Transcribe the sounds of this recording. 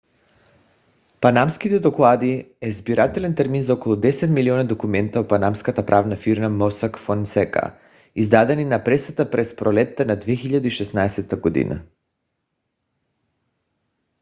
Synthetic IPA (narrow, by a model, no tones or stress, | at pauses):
panamskit̪ɛd̪oklˠad̪iɛzbiɾat̪ɛlɛnt̪ɛɾminzaokolˠud̪ɛsɛt̪milionad̪okumɛnt̪aopanamskat̪apɾʔavnafiɾmamosakfonsɛka̰ | izd̪ad̪ɛninapɾɛsat̪apɾɛspɾolɛt̪ːanad̪vexiʎad̪ɛiʃɛsnaɛsɛt̪aɡod̪ḭnʔa̰